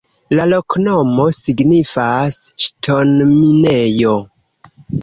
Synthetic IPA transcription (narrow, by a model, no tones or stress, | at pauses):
lalo̞kno̞mo̞siɡnifasʃtʰo̞nminejo̞